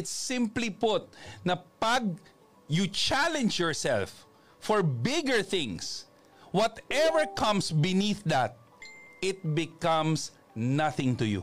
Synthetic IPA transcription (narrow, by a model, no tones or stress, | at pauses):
ɪt̪sɪ̃mplipʊt̪̚nɐpɐɡ̚ | jut͡ʃælɛ̃nd͡ʒjɔɹsɛ̰lfː | ɔɹbɪɡəɹθɪ̃ŋs | wɔt̪ɛvəɹkʰʌ̃msbɪniθd̪æt̪̚ | ɪt̪̚bɪkʌ̃ms | nɐθɪ̃ŋt̪ʊjṵ